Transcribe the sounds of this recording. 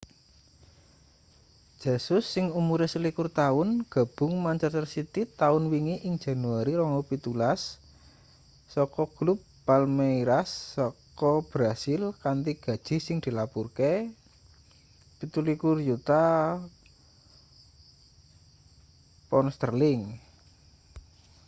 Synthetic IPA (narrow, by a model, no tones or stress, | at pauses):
ʒ̥asʊsːɪŋumuɾesəlikʊrt̪aʊnɡ̥a̤b̥ʊ̤ŋmaɲt͡ʃərərsit̪it̪aʊnwiŋiʔɪŋ̥d͡ʒ̥a̤nuaɾiɾɔŋɔpit̪ulas | ɔkɔɡ̥lupːalmeiɾasːɔkɔb̥ɾasɪlkant̪iɡ̥ä̤d̥ʒ̥i̤sɪŋd̪̥i̤lapurke | pit̪ulikʊrjut̪a | pɔnst̪ərlɪŋ